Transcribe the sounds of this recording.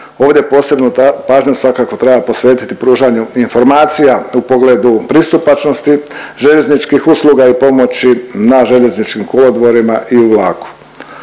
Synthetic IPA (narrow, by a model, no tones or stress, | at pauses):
o̞ːʋd̪ʲje̞po̞ːse̞bnopaːʒɲosʋakako̞t̪ɾe̞bapo̞sʋe̞ːt̪i̥t̪ipɾuːʒaɲuinfo̞ɾmaːt̪sijaupoɡleːd̪upɾist̪upat͡ʃnost̪i | ʒe̞ʎe̞znit͡ʃkixuslˠuɡaipo̞mo̞t͡ɕinaʒe̞ʎe̞znit͡ʃkimkolod̪ʋo̞ɾimaʔiuʋlˠaːku̥